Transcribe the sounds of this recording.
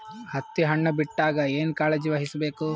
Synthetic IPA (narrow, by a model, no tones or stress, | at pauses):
hɐt̪ːiɦɐɳːɐbiʈːaːɡɐeːnkaːled͡ʒiʋɐɦisɐbeːku